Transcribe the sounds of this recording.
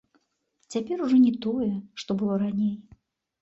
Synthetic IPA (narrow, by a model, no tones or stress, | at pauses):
t͡sʲapʲɛɾuʐɔnʲɛt̪ɔjɛʂt̪ɔbɨlˠɔɾanʲej